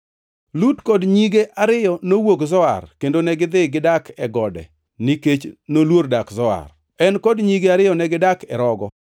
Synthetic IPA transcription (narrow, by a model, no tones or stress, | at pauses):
lutkɔdɲiɡeʔaɾɪjɔnowokzɔa̰rkendonɛɡɪd̪ɪɡɪdakʰɛɡɔdɛ̰ | nɪket͡ʃnolwordakzɔa̰r | ɛnkɔdɲiɡeaɾɪjɔnɛɡɪdakɛɾɔɡɔ